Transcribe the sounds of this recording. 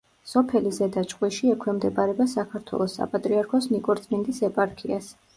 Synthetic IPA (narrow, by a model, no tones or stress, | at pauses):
sɔpʰɛlizɛd̪at͡ʃʼqʼwiʃiɛkʰwɛmd̪ɛpʼaɾɛbasakʰaɾt̪ʰwɛ̰lˠɔsːa̰pʼat̪ʼɾiaɾkʰɔsnikʼɔɾt̪sʼmind̪isɛpʼaɾkʰias